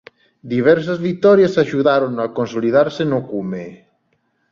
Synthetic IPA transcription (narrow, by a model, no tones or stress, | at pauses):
d̪iβ̞ɛɾs̬azβit̪ɔɾjasaʃuðaɾonakonsoliðaɾsenokume